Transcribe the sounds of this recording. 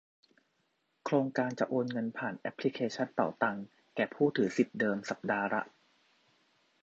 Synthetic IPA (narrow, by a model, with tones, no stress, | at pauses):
kʰɾoː˧ŋkaː˧nt͡ɕa˨˩ʔoː˧nŋɤ˧npʰaː˨˩nʔɛ˦˥pʰːli˦˥kʰeː˧t͡ɕʰa˥˩nt̪ɔ̰ː˨˩t̪a˧ŋ | kɛː˨˩pʰuː˥˩t̪ʰɯː˩˦si˨˩p̚dɤː˧msa˨˩p̚daː˧ɾa̰˦˥ʔ